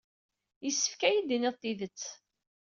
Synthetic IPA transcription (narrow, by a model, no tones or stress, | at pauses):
jəsːə̥fkæjid̪inɪðˤt̪ːiðət͡sː